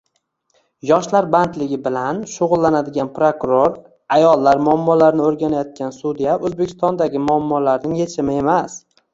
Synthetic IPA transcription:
jɒʃlaɾbant̪lɪɡʲɪbɪlanʃʊʁʊlˠːanad̪ɪɡʲanpɾokʊɾoɾ | ajɒlˠːaɾmʊamːɒlaɾnɪoɾɡʲanajɒt̪̚kʲʰansud̪ijaʔɵzbekʲʰɪ̥st̪ɒnd̪aɡʲɪmʊamːɒlaɾnɪŋjet͡ʃʰɪmɪe̞mas

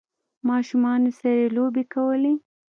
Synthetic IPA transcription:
mɑʃumɑnesaɾelobekawəle

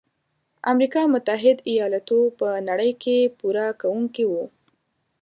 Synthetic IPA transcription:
amɾikɑmʊt̪aɦɪd̪ijɑlat̪upənaɽəjkʰepuɾakawuŋkiwu

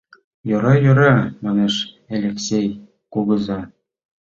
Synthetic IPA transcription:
jɤ̆ɾɑjŏɾɑmɑneʃ | ælʲeksʲej | kuɣɤ̆zɑ

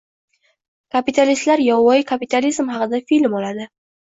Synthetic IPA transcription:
kʰapit̪ʰalist̪laɾjɒwɒɪkʰapit̪ʰalizmɦɑqɨd̪afilmɒlad̪ɪ

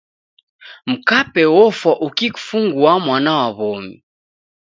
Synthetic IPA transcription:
m̩kapɛwɔfwaʔukiku̥fuŋɡuamwanawaβɔmi

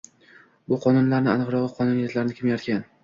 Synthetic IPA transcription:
bʊqʰɒnʊnlaɾnɪanɨqɾɒʁɨqʰɒnʊnjet̪laɾɪnɪkʲʰɪmjaɾt̪kʲʰan

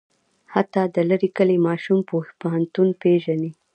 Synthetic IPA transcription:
hat̪ɑd̪ələɾikəlemɑʃumpohpaɦant̪unpeʒani

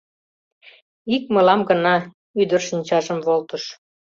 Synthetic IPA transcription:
ikmɤlɑmɡənɑ | yd̪ərʃənʲt͡ɕɑʒəmβolt̪əʃ

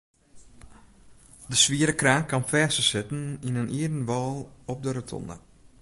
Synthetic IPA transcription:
dəsʋiəɾəkraːnkanfɛːsəsɪtn̩inənʔiədən̩ʋɔːlˠɔp̚dəɾətʰɔ̰nə̰

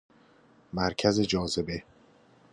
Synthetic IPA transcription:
mæɾcʰæze̞d͡ʒɒːze̞be̞

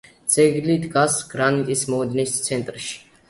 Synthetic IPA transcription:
d̪z̥ɛɡlid̪ɡasɡ̥ɾanit̪ʼismɔɛd̪nist̪sʰɛnt̪ʼɾʃi̥

